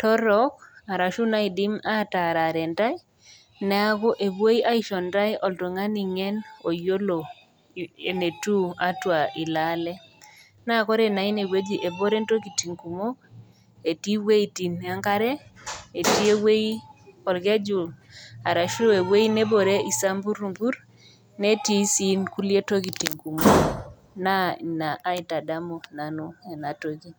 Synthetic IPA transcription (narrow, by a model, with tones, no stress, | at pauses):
tɔ˦ɾɔ˦ka˨ɾa˨ʃu˦na˦ɪ˨dɪ˦ma˦ta˨ɾa˨ɾɛ˨nda˦ɪ˦ | nɛ˨˦a˦ɡɔ˦ʔe˨bwo˦i˦ʔa˦i˦ʃɔ˨nda˦jɔ˨lto˨ŋa˦ni˨ŋɛ˦no˨jo˦lo˨ | e˨ne˨tu˦a˦twa˨ʔɪ˨la˦lɛ˦ | na˦˨kɔ˦ɾe˦na˨ɪ˦ne˨we˦d͡ʒi˨ʔe˨bo˦ɾe˦nto˦ki˨ti˨ŋku˨mo˦ | e˨ti˦we˦i˦ti˨n˨a˦ŋka˦ɾɛ˦e˨ti˦e˦we˦i˦kɔ˨lɡɛ˦d͡ʒu˨a˨ɾa˨ʃu˦o˦e˨we˦i˦ne˦bo˨ɾe˦i˨sa˦mbu˦ɾu˨mbu˦ɾ | ne˦ti˦si˦nku˦li˦e˦to˦ɡi˨ti˨ŋku˨mo˦ | na˦˨na˨a˦ɪ˨ta˨da˦mo˨na˨no˦e˨na˨to˦ɡi˦